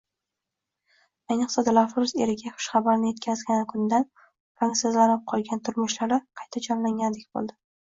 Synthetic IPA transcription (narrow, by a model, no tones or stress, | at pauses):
ajnɨqsad̪ɪlafɾʊze̞ɾɪɡʲaχʰʊ̥ʃχɑbaɾɪnɪje̞t̪̚kʲazɡʲanɪkʰʊnd̪an | pɾaŋsazlanɪp̚qʰɒlˠɡʲant̪ʰʊɾmʊʃlaɾɪqʰɑjt̪ʰad͡ʒɒnlaŋʲand̪ekʲbo̰lˠd̪ɪ